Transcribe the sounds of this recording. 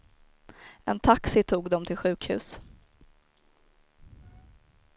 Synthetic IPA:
ɛ̰nt̪ʰaksɪt̪ʰuːɡd̪ɔmt̪ʰɪlɧʉ̟ːkhʉ̟̰ːs

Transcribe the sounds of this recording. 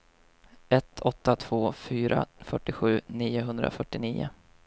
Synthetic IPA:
ɛt̪ʰɔt̪ːat̪ʰv̥oːfyːɾʔa̰fœʈːɪɧʉ̟ːniːʊɦɵnd̪ɾa̰fœʈːɪniːʊ̰

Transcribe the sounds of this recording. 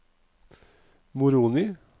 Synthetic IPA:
mʊɾuːnɪ

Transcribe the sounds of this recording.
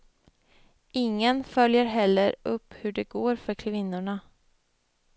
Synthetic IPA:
ɪŋːənfœljəɾɦɛlːəɾɵpːhɵɖɛɡoːɾfœɾkʰvɪnːʊɳa

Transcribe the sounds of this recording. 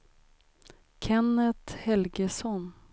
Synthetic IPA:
kʰɛnːət̪hɛlɡəsɔn

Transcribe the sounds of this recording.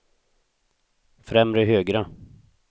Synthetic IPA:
fɾɛmɾəɦøːɡɾa

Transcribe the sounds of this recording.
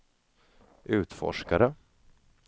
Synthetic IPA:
ʔʉ̟ːt̪fɔ̰ʂkaɾə

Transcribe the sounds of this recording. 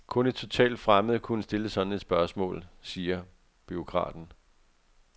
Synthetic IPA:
kʰɔ̽ne̝d̥̚t͡sʰo̝t͡sʰɛ̰ːld̥fʁaməð̩ˠkʰunəsd̥e̝ləsɒ̽d̥n̩e̝d̥sb̥ɶɐsmɔ̰̽ːlsiːɐ | b̥yo̝kʰʁɑ̰̈ːd̥n̩

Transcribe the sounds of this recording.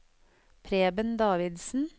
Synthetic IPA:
pʰɾeːbənd̪ɑːʋɪd̪sn̩

